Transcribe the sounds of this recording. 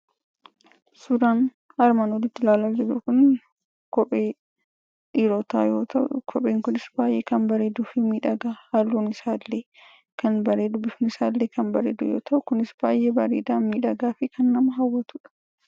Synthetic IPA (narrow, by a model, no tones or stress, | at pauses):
sʊd̪aːn | ɐɾmɐnɔdɪt̪ːɪlaːlad͡ʒɛdukʊn | kɔpʼeː | ᶑiːɾoːt̪aːjoːt̪ɐʔkʰɔpʼeːŋkʊnɪsbaːjʔeːkɐnbɐɾeːd̪uːfɪmiːᶑɐɡaːhalːuːnɪsaːlːeː | kʰɐnbɐɾeːd̪ʊbɪfnɪsaːlːeːkɐnbɐɾeːd̪ʊ̰jo̰ːt̪ɐʔʊkʊnɪsb̥aːjʔeːbɐɾeːd̪aːnmiːᶑɐɡaːfɪkʰɐnːɐmɐɦɐwːɐt̪uᶑɐ̥